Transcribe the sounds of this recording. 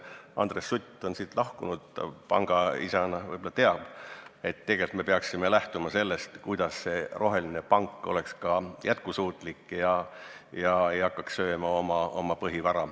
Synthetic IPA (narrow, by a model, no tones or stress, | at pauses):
ɑ̰nd̪̥resːut̪ʲːˑo̞nsiːt̪lɑhkunud̪̥pɑ̰ŋɡ̥ɑḭsɑnɑvɤ̰jbolːɑt̪eɑb̥e̞t̪ːe̞ɡ̥e̞lt̪me̞peɑksime̞læht̪umɑse̞lːe̞st̪kujd̪̥ɑsse̞rʔo̞ɦe̞linepɑŋkːˑo̞̰le̞kskɑjʔæt̪̚kusuːt̪ˑlikːˑjɑ | jɑe̞jɑkːˑɑkssø̞ːmɑo̞mɑomɑpɤɦivɑɾɑ